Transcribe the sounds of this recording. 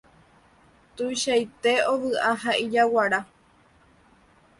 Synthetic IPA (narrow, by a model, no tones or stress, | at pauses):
t̪uʃajt̪e̞oʋɨʔaɦaid͡ʒawaɾa